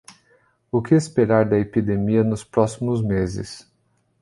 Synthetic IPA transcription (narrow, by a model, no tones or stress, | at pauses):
ʊkɪespeɾaɾd̪ɐepid̪emiɐnʊspɾɔsimʊzmezɪ̰s